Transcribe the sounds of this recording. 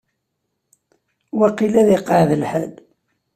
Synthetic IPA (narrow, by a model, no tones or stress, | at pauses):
wæqilæðiqːəʕðəlħæl